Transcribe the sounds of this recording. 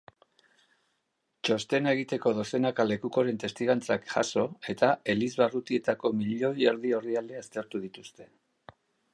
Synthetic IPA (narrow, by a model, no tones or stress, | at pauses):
t͡ʃo̞st̪e̞ne̞ɣit̪e̞ko̞ðo̞se̞nakale̞kuko̞ɾe̞nt̪e̞st̪iɣant͡sakʝa̰so̞e̞t̪ae̞lizβarut̪ie̞t̪ako̞miʎo̞je̞ɾðio̞riald̪east̪e̞ɾt̪uðit̪ust̪e̞̥